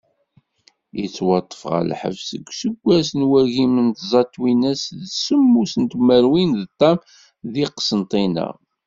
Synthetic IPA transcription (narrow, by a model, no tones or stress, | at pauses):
jit͡sːwɑt̪ˤːə̥fʁə̰lħə̰vsə̰ɡʷsəɡʷːæsnwæʝimənt̪zˤɑt̪ːwinæsðsəmːusənt̪mæɾwinðt̪ˤːɑm | ðiqsənt̪ˤinə̰ʁ